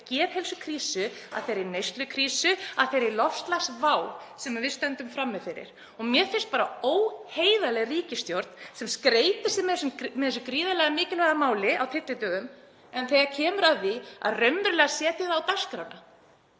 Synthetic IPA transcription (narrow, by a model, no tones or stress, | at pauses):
cɛːv̥hɛlsʏkʰɾiːsʏa̰ðθejɾɪɾnejst̪lʏkʰɾiːsʏaðθejɾɪlɔfst̪lasvaːw | sɛmavɪðst̪ɛnt̪ʏmfɾamːɪfɪɾɪ̰ɾ̥ | ɔɣmjɛɾfɪn̥st̪̚paːɾaoːwheːjðalɛɣriːcɪst̪jowɾt̪nsɛmskɾeːjt̪ɪ̥sɪðmɛθɛsːʏmmɛðɛs̬ʏkɾiːðalɛɣamɪːcɪlvɛɣamaːwlɪawt̪ʰɪt̪lɪt̪œːɣʏm | ɛnθejɣacʰɛːmʏɾavɪa̰ðrœɥmʏɾlɛɣasjɛːt̪ɪðawt̪ḁskɾawna